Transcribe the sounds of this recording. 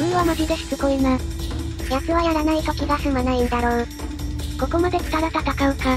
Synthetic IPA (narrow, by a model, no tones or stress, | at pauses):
ɲiβamoʑizeɕi̥t͡sɨkoimas | jat͡sɨβajaɾanait̪o̞kʲiɡasɨmanaĩnd̪aɾo̞ː | ko̞ko̞mad̪e̞t͡sɨ̥t̪aɾat̪at̪akaɯ̟ka